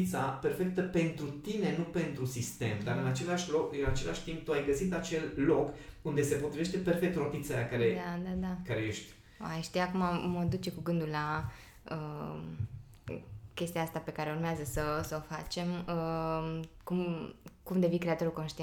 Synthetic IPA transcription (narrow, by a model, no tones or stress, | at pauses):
t̪sape̞rfe̞k̚t̪əpe̞nt̪ɾut̪ine̞nupe̞nt̪ɾusist̪e̞md̪aɾɨnat͡ʃe̞laʃlokɨnat͡ʃe̞laʃʲt̪imp̚t̪uajɡəsit̪at͡ʃe̞lːokund̪e̞se̞po̞t̪ɾiveʃt̪e̞pe̞rfe̞k̚t̪ro̞t̪it̪saakaɾed̪ad̪ad̪akaɾejeʃt̪ʲ | oajʃt̪ijakumaməd̪ut͡ʃe̞kuɡɨnd̪ulla | ə | kʲe̞st̪ijaast̪ape̞kaɾeurmeazəsəsəo̞fat͡ʃe̞mə | kumkumd̪e̞vikɾe̞at̪o̞ɾulko̞nʃt̪ie